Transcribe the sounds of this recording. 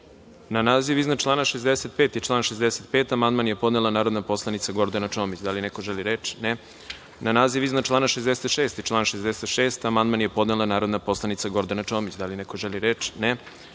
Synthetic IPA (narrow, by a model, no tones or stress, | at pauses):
nanaːziʋiznat͡ʃlˠaːnaʃezd̪eset̪̚peːt̪it͡ʃlˠaːnʃezd̪eset̪̚pe̞ːt̪amand̪manjepo̞d̪nelˠanaːɾod̪napo̞slˠanit̪saɡo̞ɾd̪anat͡ʃo̞ːmit͡ɕd̪alinekoʒeliɾeːt͡ʃne | nanaːziʋiznat͡ʃlˠaːnaʃezd̪eset̪ʃe̞ːst̪it͡ʃlˠaːnʃezd̪eset̪ʃeːst̪amand̪manjepo̞d̪nelanaːɾo̞d̪napo̞slˠanit̪saɡo̞ɾd̪anat͡ʂo̞ːmit͡ɕd̪alineko̞ʒeliɾeːt͡ʃne